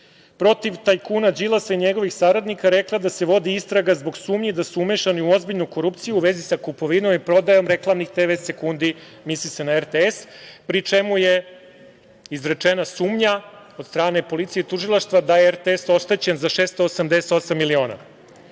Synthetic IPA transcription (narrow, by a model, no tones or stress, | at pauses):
pɾo̞t̪iʋt̪ajkunad͡ʑilˠasaiɲeɡo̞ʋixsaɾad̪nikaɾeklˠad̪ase̞ʋo̞d̪iist̪ɾaɡazbo̞ɡsuːmɲid̪asuumeʃaniuo̞zbiʎnojko̞ɾup̚t̪sijuuʋe̞zisakupo̞ʋino̞mipɾo̞d̪ajo̞mɾe̞klˠamnixd̪eʋet̪se̞kund̪i | mislise̞naeɾt̪eespɾit͡ʂe̞muje̞ | izɾet͡ʂenasuːmɲa | od̪st̪ɾaːne̞po̞lit̪sijeit̪uʒilˠaʃt̪ʋad̪ajeeɾt̪eeso̞ʃt̪et͡ɕe̞nzaʃeːst̪oːsamd̪eset̪o̞samːilio̞ːna̰